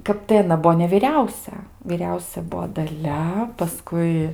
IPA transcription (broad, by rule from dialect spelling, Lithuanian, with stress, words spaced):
ˈkɐp tɐɪ ɐˈnɐ ˈbuɔ nʲɛʋʲɪˈrʲɛʊsʲɛ ʋʲiːˈrʲɛʊsʲɛ ˈbʊʋoː dɐˈlʲɛ pɐˈskʊɪ